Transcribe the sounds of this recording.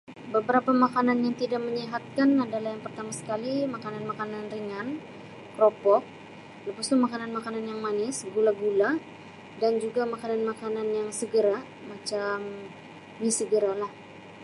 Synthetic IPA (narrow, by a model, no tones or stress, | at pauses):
bəbəɾapamakananjaŋt̪idak̚məɲiɦat̪̚kanadalahjaŋpərt̪amasə̥kalimakananmakananriŋan | kɾopɔk̚ | ləpast̪umakananmakananjaŋmanɪsɡulaɡula | dand͡ʒuɡamakananmakananjaŋsəɡəɾa | mat͡ʃam | disəɡəɾalah